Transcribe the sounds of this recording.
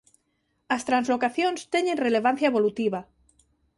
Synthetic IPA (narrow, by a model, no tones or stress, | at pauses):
ast̪ɾanzlokaθjonst̪eɲenreleβ̞an̟θjaeβolut̪iβa